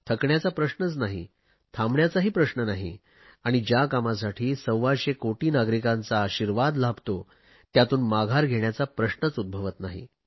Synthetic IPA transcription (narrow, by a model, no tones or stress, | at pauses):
t̪ʰəkɳjat͡sapɾəɕnət͡snaɦḭ | t̪ʰãmɳjat͡saɦiːpɾəɕnənaɦḭ | aɽ̃id͡ʑjakamas̬aʈʰiːsəwʋaɕekoʈiːnaɡɾikãnt͡saːɕiɾʋad̪labʱt̪o | t̪jat̪uːnmaɡʱaɾɡʱeɳjat͡sapɾəɕnət͡sud̪̚bʱəʋət̪naɦḭ